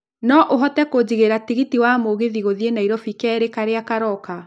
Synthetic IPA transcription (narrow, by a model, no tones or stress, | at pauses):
nɔʔoɦɔtɛkod͡ʑiɣeɾatiɣitiwamoɣeðiɣoðienaiɾɔfikɛɾekaɾeakaɾɔka